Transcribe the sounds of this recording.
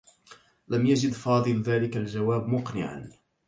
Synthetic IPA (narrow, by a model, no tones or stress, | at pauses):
lamjad͡ʒɪd̪fɑːd̪ˤɨlðaːlɪkald͡ʒawaːbmʊqnɪ̰ʕa̰n